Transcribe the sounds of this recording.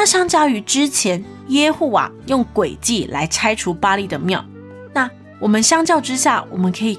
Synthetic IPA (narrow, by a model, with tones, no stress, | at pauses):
a˥ɕjɑ˥ŋt͡ɕjɑ˥˩ʊy˧˥ʈ͡ʂɻ̩˥t͡ɕʰjɛ˧˦˥n | jɛ˥xu˥˩wa̰˨˩˦jʊ˥˩ŋkwe˨˩ɪt͡ɕi˥˩lʔa˧˥ɪt͡sʰa˥ɪʈ͡ʂʰu˧˥pa˥li˥˩d̪ə˩mjɑ˥˩ʊ | na˥˩ | wɔ˨˩mə˨˦nɕjɑ˥ŋt͡ɕjɑ˥˧ʊʈ͡ʂɻ̩˥ɕja̰˥˩wɔ̰˨˩mə˦nkʰɤ˧˥i˨˩